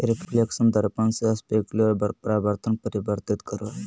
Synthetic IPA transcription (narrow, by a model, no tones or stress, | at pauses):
ɾipleksənd̪ɐɾpansespekulɐɾbpɾaːbəɾt̪ʰənpəɾibəɾt̪it̪kəɾo